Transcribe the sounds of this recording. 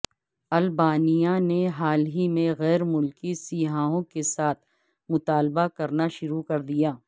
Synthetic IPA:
ɐlbaːnijaneɦaːlɦimẽɣɛːɾmʊlkisiːɦaːõkesaːt̪ʰ | mʊt̪aːlbakɐɾnaʃʊɾukɐɾd̪ijaː

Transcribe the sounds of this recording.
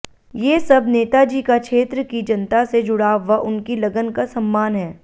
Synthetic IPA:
jeːsɐbneːt̪ad͡ʒiːkakʃeːt̪ɾəkid͡ʒɐnt̪ased͡ʒʊɽaːʋɐʔʊnkilɐɡənkasɐmːaːnɦɛː

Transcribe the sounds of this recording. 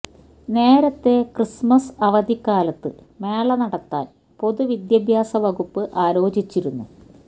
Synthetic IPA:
ne̞ːɾɐt̪ːe̞krismɐsɐʋɐd̪ikːaːlɐt̪ːɨ | me̞ːɭɐnɐɽɐt̪ːa̰ːn | po̞ðuʋid̪jɐbʱjaːsɐʋɐɣupːɨʔaːlo̞ːd͡ʑit͡ɕːiɾunːṵ

